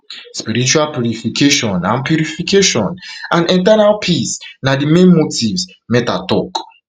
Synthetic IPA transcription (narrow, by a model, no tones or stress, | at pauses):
spiɾit͡ʃualpjuɾifikeʃɔ̃nãnpjuɾifikeʃɔ̃nãnĩntɛnalpʰisnadimẽnmotivs | mɛta̰tɔk